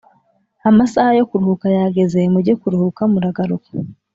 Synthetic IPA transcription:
amasahajo̞kuɾuhukajaɡe̞ze̞muɾɟekuɾuhukamuɾaɡaɾukḁ

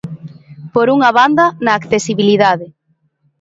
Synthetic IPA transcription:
poɾuŋɐβand̪ɐnaːkθesiβiliðaðɪ

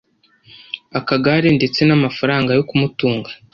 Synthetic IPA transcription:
akaɡaɾindet͡se̞namafaɾaːŋɡajo̞kumutuːŋɡḁ

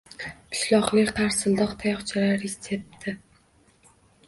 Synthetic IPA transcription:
pʰɪ̥ʃlɒqlˠɪkʲqʰaɾsɪld̪ɒqt̪ʰajɒχt͡ʃʰalaɾesep̚t̪ʰɪ

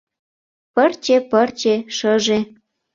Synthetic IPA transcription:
pərt͡ɕepərt͡ɕeʃəʒe

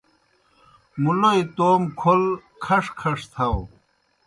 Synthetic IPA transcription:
muloit̪oːmkʰolkʰɐʂkʰɐʂt̪ʰɐw

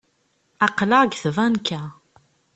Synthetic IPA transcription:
ɑqlaɡθvænkʰːæ

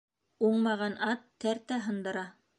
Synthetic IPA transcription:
uɴmɑʁɑnɑt̪ːæɾt̪æɦɤ̆nd̪ɤ̆ɾɑ

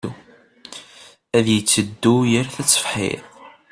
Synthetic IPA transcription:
u | æðjət͡sːəd̪ːujəɾθæt͡sːə̥fħḭɾ

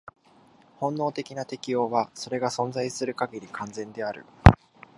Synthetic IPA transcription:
hõ̞nːo̞ːt̪e̞kʲinat̪e̞kʲijo̞ːβaso̞ɾe̞ɡasõ̞nd͡zaisɨɾɯ̟kaɡʲeɾʲikʰãnzẽ̞nd̪e̞aɾɯ̟̰

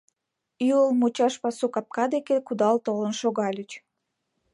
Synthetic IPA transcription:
yəlmut͡ɕɑʃpɑsukɑp̚kɑd̪ekekud̪ɑlt̪olənʃoɣɑlʲət͡ɕ

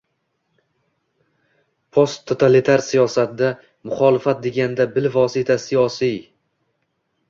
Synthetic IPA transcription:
pʰost̪ʰːot̪ʰalit̪ʰaɾsijɒsat̪d̪a | mʊχɒːlɪfat̪̚d̪e̞ɡʲand̪abɪlvɒsɪt̪ʰasijɒsij

